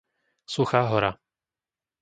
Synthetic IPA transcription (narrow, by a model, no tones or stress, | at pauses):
suxaːɦɔɾa